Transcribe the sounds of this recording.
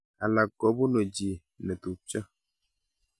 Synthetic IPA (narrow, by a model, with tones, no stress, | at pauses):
a˨la˨kːɔ˨˦bu˦no˨d͡ʒi˨ | nɛ˨tu˨t͡ʃə˦